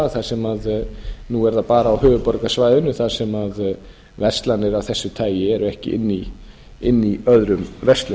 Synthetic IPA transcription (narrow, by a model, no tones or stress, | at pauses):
θaðsɛmaðnuɛɾðapaːɾaːwɦʏːvʏpɔɾkasvaːjðʏnːʏθaðsɛmað | vɛst̪lanːɪɾawθɛsːʏt̪ʰaːjjɪɛɾʏɛhcɪ̰ʔɪ̰nːi | ɪnːiœðɾʏmvɛst̪lʏ